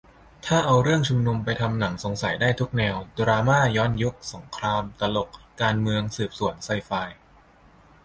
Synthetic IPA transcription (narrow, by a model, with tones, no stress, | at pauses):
t̪ʰaː˥˩ʔa˧wɾɯ˥˩əŋt͡ɕʰu˧mnu˧mpa˧jt̪ʰa˧mna˩˦ŋso˩˦ŋsa˨˩˦jdaː˥˩jt̪ʰu˦˥k̚nɛː˧wdɾaː˧maː˥˩jɔː˦˥nju˦˥k̚so˩˦ŋkʰɾaː˧mt̪a˧lo˨˩k̚kːaː˧nmɯ˧əŋsɯː˨˩p̚su˨˩˦ənsa˧jfaː˧j